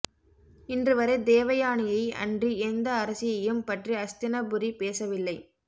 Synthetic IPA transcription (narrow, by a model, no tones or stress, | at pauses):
ɪndrɯʋɐɾɐɪd̪eːʋɐjaːɳɪjɐɪɐ̰ndriɛnd̪ɐːɾɐsɪjɐjɯmpɐʈriɐst̪ɪnɐbɯɾipeːsɐʋɪlːɐɪ